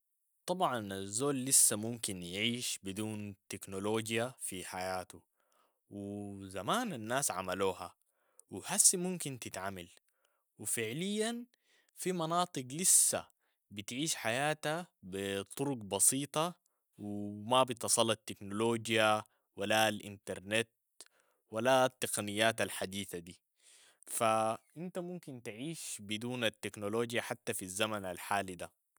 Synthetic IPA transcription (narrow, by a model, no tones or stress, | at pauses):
t̪ˤɑbʕɑnazːoːlːisːamumkinjʕiːʃbid̪uːnt̪ɪknoloːd͡ʒjafiħajaːt̪u | wɪzamaːnanːaːsʕa̰maluːha | wɪhasːimumkint̪ɪt̪ʕamal | wɪfɪʕlijːan | fimɑnɑːt̪ˤɨɡlisːa̰ | bit̪ʕiːʃħajaːt̪abɪt̪ˤːʊɾʊɡbɑsiːt̪ˤɑ | wɪmabit̪ɑsˤɑlːɑt̪ːɪknoloːd͡ʒja | walalʔɪ̰nt̪ɑɾˤnet̪ | walat̪ːaqɑnijːaːt̪alħad̪iːθad̪iː | faʔɪnt̪amumkint̪ʕiːʃbɪd̪uːnat̪ːeknoloːd͡ʒjaħat̪ːafizːamanalħaːlid̪a